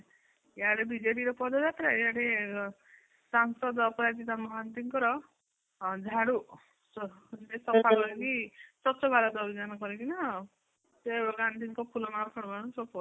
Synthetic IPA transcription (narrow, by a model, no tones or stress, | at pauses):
eaɽebid͡ʒeɾiɾɔpɔd̪ɔd̪at̪ɾaeaɽe | saŋsɔd̪ɔpɔɾad̪it̪amɔɡʱant̪iŋkɔɾɔ | d͡ʒʱaɽu | sd͡ʒit̪esɔpʰakɔɾit̪isɔtːsɔbʱaɾad̪bʱid͡ʒanɔkɔɾik̪ina | seɔɡant̪iŋkɔpʰulɔmaɾkʰɔɽ̃maɽ̃ɔnsɔpɔ